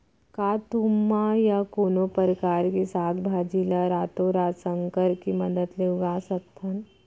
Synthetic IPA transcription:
kaːt̪umːajakoːnopəɾkaːɾkesaːk̪bʱaːd͡ʒiːlaɾaːt̪oɾaːsə̃ŋkəɾkimɐd̪əd̪leʊɡaːsət̪ʰːən

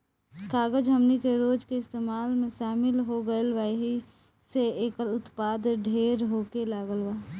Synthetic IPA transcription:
kaːɡəd͡ʒɦəmnikeɾoːd͡ʒkeɪst̪eːmaːlmẽʃaːmɪlɦoɡəelʋaːeɦi | seeːkəɾʊt̪paːd̪ɖʱeːɾɦoːkelaːɡəlʋaː

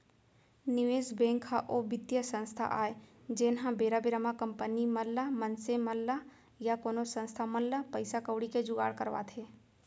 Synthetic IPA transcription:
nɪʋeːsbẽːŋkʰaʔobɪd̪jəsə̃nst̪ʰa̰ʔaːed͡ʒeːnɦãbeːɾabɪɾəmakəmpəniməlːamənseməlːa | jakoːnosə̃nst̪ʰaməlːapəɪsakəʊɽiked͡ʒʊɡa̰ːɽkəɾʋa̰t̪ʰeː

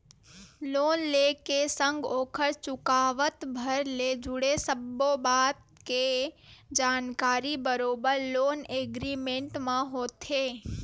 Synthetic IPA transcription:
loːnlekesə̃ŋɡoːkʰəɾt͡ʃʊkaːʋət̪bʱəɾled͡ʒʊɽesəbːobaːt̪̚ | ked͡ʒaːnkaːɾibəɾoːbəɾloːneɡɾimẽɳʈmãɦoːt̪ʰe

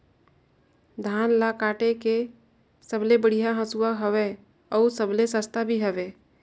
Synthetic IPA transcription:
d̪ʱaːnlakaːʈeke | səblebəɽ̤ijaɦə̃suwaɦəʋe | ɔːɾsəblesəst̪ʰabʱiɦəʋeː

